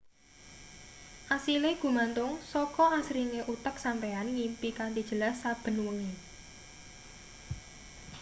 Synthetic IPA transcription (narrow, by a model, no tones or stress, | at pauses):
ʔasileɡ̥ṳmant̪ʊŋsɔkɔasɾiŋeʔut̪ək̚sampeanŋimpikant̪id̥ʒ̥ə̤lasːab̥ə̤nwəŋe